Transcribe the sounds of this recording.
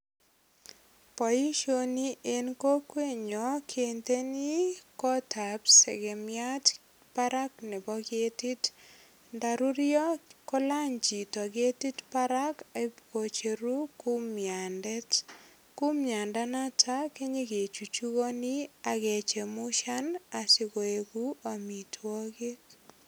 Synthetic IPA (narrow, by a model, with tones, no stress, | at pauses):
pɔ˨ji˦ʃo˦ni˦ʔe˦nko˦kwe˦˨ɲɔ˨kʰe˨nte˦ni˦kɔ˦tʰa˨psɛ̰˨ɡe˨mja˦t | pa˦ɾa˦knɛ˨bɔ˦ɡe˦ti˦t | nda˨ɾu˦ɾjɔ˦kɔ˦la˦ɲd͡ʒi˨tɔ˨ɡe˦ti˦tpaɾa˦kebkot͡ʃe˨ɾu˦ku˦mjandɛ˦t | ku˦mɲa˨nda˦na˦tʰa˦ke˦ɲe˦ɡe˨t͡ʃu˨t͡ʃu˦ɣo˦ni˦a˨ɡe˨t͡ʃe˨mu˦ʃa˦na˨sɪ˦ko˨e˨ɡu˦a˨mi˨tʰwɔ˦ɡɪ˦t